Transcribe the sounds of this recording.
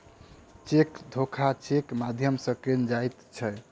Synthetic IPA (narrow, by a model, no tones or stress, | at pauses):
t͡ʃekd̪ʱokʰat͡ʃekmad̪ʱjəmsəkend͡ʒajt̪t͡ʃʰɛ